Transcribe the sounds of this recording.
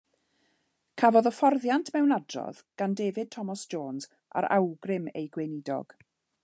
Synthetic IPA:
kʰavɔðɔfɔrðjantʰmɛwnadrɔ̰ðɡ̥andeːvɨd̚tʰɔmɔsd͡ʒoːnz | ʔa̰ɾa̰wɡrɪmḛjɡwenɪdɔ̰ɡ̥

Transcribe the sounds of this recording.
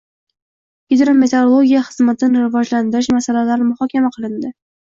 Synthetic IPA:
ɡʲid̪ɾo̞me̞t̪ʰeɾolˠoɡʲijaχɨzmat̪ʰɪnɾɪvɒd͡ʒland̪ɪɾɪʃmasalalaɾɪmʊχɒkʲʰamaqʰɨlˠɪnd̪ɪ

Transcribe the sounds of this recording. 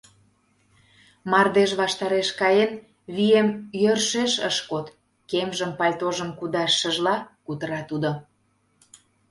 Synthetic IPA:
mɑrd̪eʃβɑʃt̪ɑɾeʃkɑjen | βiemjørʃeʃə̰ʃkot̪ | kemʒə̆mpɑlʲt̪oʒə̆mkud̪ɑʃːə̆ʒlɑkut̪əɾɑt̪ud̪o

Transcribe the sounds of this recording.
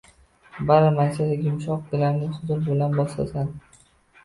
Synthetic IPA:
baɾmansad̪aɡʲʊmʃɒq̚ɡɪlaɾnɪχʊzʊɾbɪlanbɒsla̰san

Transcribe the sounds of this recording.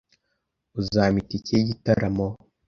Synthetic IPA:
uzaːmiticeɟitaɾamo

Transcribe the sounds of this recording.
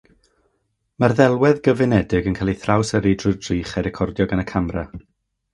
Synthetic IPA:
marðɛlˠwɛðɡəvɪnɛdɪɡənkʰaːlˠiθrawsəɾidrʊdriːχaɾɛkʰɔrdjɔɡanəkʰamra

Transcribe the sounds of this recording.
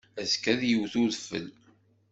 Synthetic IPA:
æskæðjuwθʊðfːə̰l

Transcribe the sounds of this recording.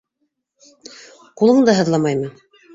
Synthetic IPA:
qulˠɤɴd̪ɑɦɤ̆ðlˠɑmɑjmɤ

